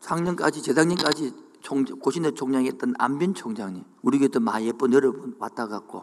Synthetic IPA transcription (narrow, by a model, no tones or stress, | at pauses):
sʰaŋɲʌmk͈ad͡ʑit͡ɕesaŋɲimk͈ad͡ʑi | t͡ɕʰoŋkoɕʰinɯt͡ɕʰoŋɲaŋɦet͈ɯna̰mbjʌnt͡ɕʰoŋd͡ʑaŋɲimuɾiɡet͈ɯnmaep͈ɯnjʌɾʌbunwa̰t͈aɡak̚k͈o̰